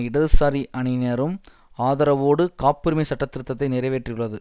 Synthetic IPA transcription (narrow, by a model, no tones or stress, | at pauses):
ɪɽɐðɯsaːɾiʔɐɳɪnɐɾɯm | aːðɐɾɐʋoːɽɯkaːpːɪɾɯmɐɪsɐʈːɐt̪ːɪɾɯt̪ːɐt̪ːɐɪnɪɾɐɪʋeːʈrɪjɯɭːɐðɯ